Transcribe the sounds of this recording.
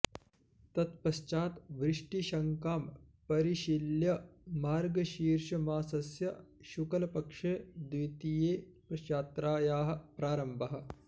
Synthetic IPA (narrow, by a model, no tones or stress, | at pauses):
t̪ɐt̪pɐʃt͡ʃaːt̪ʋɾɪʂʈiʃɐŋkaːm | pɐɾiʃiljɐmaːɾɡɐʃiːɾʃɐmaːsɐsjɐʃukɐlɐpɐkʂeːd̪ʋit̪ijeːpɐʃjaːt̪ɾaːjaːɦɐ̆pɾaːɾɐmbɐɦɐ̆